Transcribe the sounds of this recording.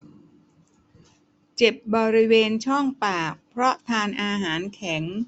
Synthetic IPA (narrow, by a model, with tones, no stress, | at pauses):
t͡ɕe˨˩p̚bɔː˧ɾi˦˥weː˧nt͡ɕʰɔ˥˩ŋpaː˨˩k̚pʰɾɔ˦˥t̪ʰaː˧nʔaː˧ɦaː˩˦nkʰɛ˩˦ŋ